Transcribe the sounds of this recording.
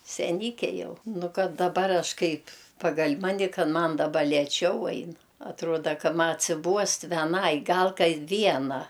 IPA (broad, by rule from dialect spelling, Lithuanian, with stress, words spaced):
sʲɛˈnʲiːkʲɛ ˈjɛʊ ˈnʊ ˈkɐt dɐˈbɐr ˈɐʃ ˈkɐɪpʲ ˈpɑːɡɐlʲ ˈmɑːnʲɪ ˈkɐt ˈmɐn dɐˈbɐ lʲeːˈt͡ʃʲɛʊ ˈɐɪn ɐtˈruɔdɐ ˈkɐ ˈmɐ ɐtʲsʲɪˈbuɔst ʋʲɛˈnɐɪ ˈɡɐlˠ kɐɪ ˈʋʲiɛnɐ